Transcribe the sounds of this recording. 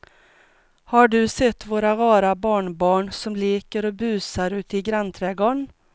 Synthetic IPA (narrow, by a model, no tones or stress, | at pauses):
haɖɵsɛt̪ːvoːɾaʁɑːɾabɑːɳbɑːɳsɔmleːkəɾɔbʉ̟ːsaɾʉ̟ːt̪ɪɡɾant̪ʰɾɛːɡoːɳ